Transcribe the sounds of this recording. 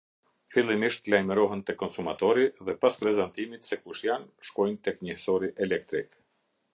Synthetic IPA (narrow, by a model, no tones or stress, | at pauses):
filˠimiʃt̪lajmɛɾɔɦɛnt̪ɛkɔnsumat̪ɔɾiðɛpaspɾɛzant̪imit̪sɛkuʃjanʃkɔjnt̪ɛkɲəhsɔɾiʔɛlɛk̚t̪ɾik